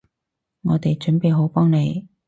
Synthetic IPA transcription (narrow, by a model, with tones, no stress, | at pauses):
ŋɔː˨˧t̪e˨jt͡ʃɵ˨˥npe˨˧jɦo˨˥wpɔː˥ŋne˨˧j